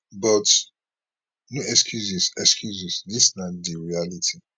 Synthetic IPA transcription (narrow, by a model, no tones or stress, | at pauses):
bɔt | nuɛkskʰjuzisɛkskʰjuzislisnadiɹialitʰi